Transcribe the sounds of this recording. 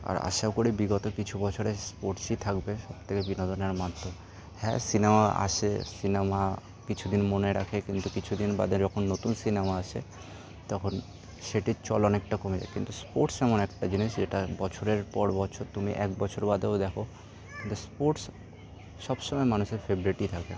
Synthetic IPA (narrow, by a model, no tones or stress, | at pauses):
a̰ɾa̰ʃaokoɾibiɡɔt̪okit͡ɕʰubɔt͡ɕʰoɾespoɾʈsit̪ʰakbeʃɔb̚t̪ʰekebinod̪oneɾmad̪o | hɛ̰̃sinemaa̰ʃʰesinema | kit͡ɕʰud̪inmoneɾakʰekint̪ukit͡ɕʰud̪inba̰d̪ed͡ʑɔkʰonːot̪unsinemaaʃʰḛ | t̪ɔkʰon | ʃeʈit͡ɕɔlɔnek̚ʈakomed͡ʑa̰kint̪uspoɾʈsɛmonɛkʈad͡ʑiniʃd͡ʑeʈabɔt͡ɕʰoɾeɾpɔɾbɔt͡ɕʰoɾt̪umiʔɛ̰k̚bɔt͡ɕʰoɾbad̪eod̪ɛkʰo | kint̪uspoɾʈs | ʃɔbʃomɔjmanuʃeɾfebɾiʈit̪ʰakbḛ